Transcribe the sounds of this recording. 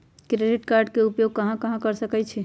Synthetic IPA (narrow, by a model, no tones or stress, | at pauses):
kɾeɖiʈkaɾɖkeupjoɡ̚kəɦãkəɦãkəɾsəkɛt͡ʃʰɛ